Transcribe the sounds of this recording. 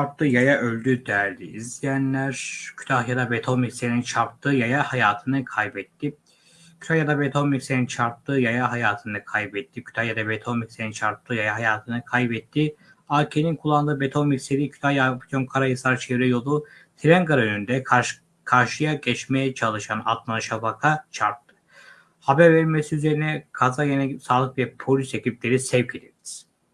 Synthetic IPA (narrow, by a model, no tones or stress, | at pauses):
aɾp̚t̪ˠɯjajaʔølʲd̪yd̪æɾd̪iizlijænlʲæɾ̥cʰy̥t̪ʰahjad̪abet̪ʰomiksenint͡ʃʰaɾp̚t̪ʰɯjajahajaːt̪ʰɯnɯkʰajbɛt̪ːi | cʰy̥t̪ʰahjad̪abet̪ʰo̞miksenint͡ʃʰaɾp̚t̪ɯjajaɦajaːt̪ʰɯnɯkʰajbɛt̪ʰːicʰy̥t̪ʰahjad̪abet̪ʰomiksenint͡ʃʰaɾp̚t̪ʰˠɯjajaɦajaːt̪ʰɯnɯkʰajbɛt̪ʰːi | aːcʰeninkʰulˠːand̪ɯːbet̪ʰo̞micseɾicʰy̥t̪ʰajapit̪ʰonkʰaɾajɯsaɾt͡ʃʰɛvɾɛjo̞lˠu | t̪ʰiɾɛnkaɾaønynd̪ɛ | kʰaɾʃɯjaɟɛt͡ʃmejɛt͡ʃʰalˠɯʃana̰t̪maɯʃabakʰat͡ʃʰaɾt̪ʰːɯ̥ | habæɾvɛɾmesiyze̞ɾinɛkʰazajenɛsaːlˠɯkvɛpʰo̞lʲysecʰip̚lʲe̞ɾisɛvcʰed̪iɾiz̥